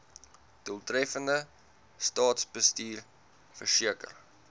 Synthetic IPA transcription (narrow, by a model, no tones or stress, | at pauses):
d̥uəlˠtrɛfəndə | stɑːtsbəstiːr | fərsiəkə̰r